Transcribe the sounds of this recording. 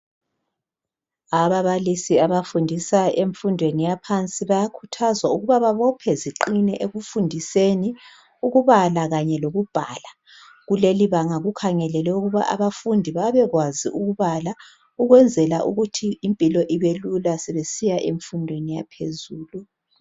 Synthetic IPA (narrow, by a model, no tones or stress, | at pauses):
aβaβalisiaβafundʱisaeɱfundʱwenijapʰant͡sʼiβajakʰutʰazwauɣuβaβaβɔpʰɛziǃinɛʔeɣufundʱiseni | uɣuβalaɣaɲɛloɣub̥ʱaːla | ɣuleliβaŋaɣukʰaŋɛlɛlɛuɣuβa̰ʔa̰βafundʱiβaβɛɣwazḭʔuɣuβala | uɣwɛnd͡zʱɛlaʔṵɣutʰiimpʼilɔʔiβelulasɛβesijaʔeɱfundʱwenija̰pʰezuːlu